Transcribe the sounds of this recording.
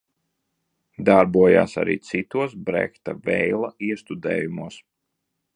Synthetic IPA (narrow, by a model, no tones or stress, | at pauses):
d̪aɾbuɔja̰ːsa̰ɾḭːt̪sit̪uɔs̬bɾɛ̰kt̪avɛjlˠaiɛst̪ud̪ɛ̰ːjumuɔs